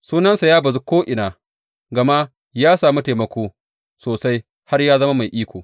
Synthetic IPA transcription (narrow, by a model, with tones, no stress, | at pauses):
suː˦nɐ˦nsa˨jaː˦bɐ˨zu˦kʷoː˦ʔɪ˨naː˨ | ɡɐ˨ma˦ | jaː˦saː˨mu˦teː˨mɐ˨kʷoː˦ | soː˨sa˦j | ha˦rjaː˦zɐ˦ma˦ma˨jʔiː˦kʷoː˨